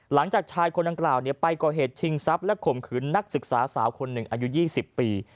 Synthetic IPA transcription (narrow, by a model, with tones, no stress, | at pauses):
la˩˦ŋt͡ɕaː˨˩k̚t͡ɕʰaː˧jkʰo˧nda˧ŋklaː˨˩wni˥˩ɐpa˧jkɔː˨˩ɦeː˨˩t̪̚t͡ɕʰi˧ŋsa˦˥p̚lɛ˦˥kʰo˨˩mkʰɯː˩˦nːa˦˥k̚sɯ˨˩k̚saː˩˦saː˩˦wkʰo˧nːɯ˨˩ŋʔaː˧ju˦˥jiː˥˩si˨˩pːiː˧